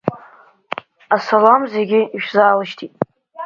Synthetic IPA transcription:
asalamzeɡʲɪiʃᶣzaːlɨʃtʰitʼ

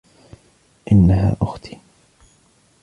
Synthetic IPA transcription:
ʔɪnːaɦa̰ːʔʊxt̪ʰi̥ː

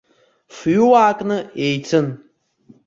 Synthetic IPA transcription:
fjuwaːkʼnɨejt͡sʰɨn

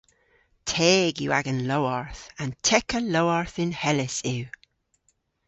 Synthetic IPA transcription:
tʰɛːɡjṵːa̰ɡənloaɹθãntʰɛkəlowaɹθɪnhɛlɪsɪw

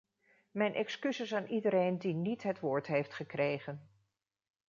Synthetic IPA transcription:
mɛjnʔɛkskysɪsaːnʔidəɾejndinitɦətʋʊːɹtɦejftχəkrejχən

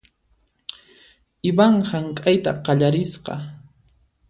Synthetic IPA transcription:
ɪbaɴhaŋkʼajt̪a̰qɑʎaɾɪsqɑ̰

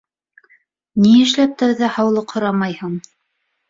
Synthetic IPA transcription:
niɘ̆ʃ̬læp̚t̪ɘ̆ɾðɘhɑwlˠɤqhŏɾɑmɑjhɤɴ

